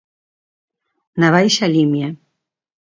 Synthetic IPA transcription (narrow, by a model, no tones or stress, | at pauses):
naβajɕalʲimja